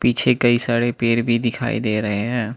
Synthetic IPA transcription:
piːt͡ʃʰekəisaːɽepeːɾbʱid̪ɪkʰa̰ːḭd̪eːɾəɦeɦɛ̃ː

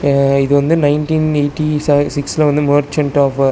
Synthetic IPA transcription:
ɪðɯʋɐnd̪ɯnɐɪnʈĩːneːʈːissɪkslɐʋɐnd̪ɯmɐɾt͡ʃɐɳʈɔːf

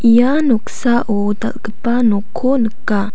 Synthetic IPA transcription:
ʔijanɔksaʔo | da̰lkəpanokʰonəka

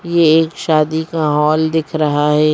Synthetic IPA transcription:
jeeːkʃaːd̪ikaɦɔːld̪ɪkʰɾɐɦaɦɛː

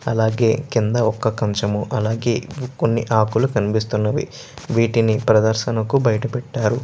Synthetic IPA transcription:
ɐlaːɡe̞ːkind̪ɐɔkːɐkɐɲt͡ʃɐmuʔɐlaːɡe̞ːkonːiʔaːkulukɐnipist̪unːɐʋḭ | ʋiːʈinipɾɐd̪ɐɾʃɐnɐkubɐjɐʈɐpɛʈːaːɾu

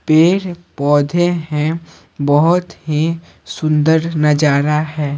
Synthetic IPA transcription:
peːɾpɔːd̪ʱeɦɛ̃ | bɔɦʊt̪ɦi | sʊ̃nd̪əɾnɐd͡ʒaːɾaɦɛː

